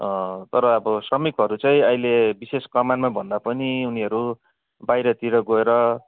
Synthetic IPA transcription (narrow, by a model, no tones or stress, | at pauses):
ʌt̪ʌɾʌːbʌsrʌmikɦʌɾut͡sʌĩʌilebiseskʌmanmabʱʌnd̪apʌniuniɦʌɾu | bajɾʌt̪iɾʌɡoeɾʌ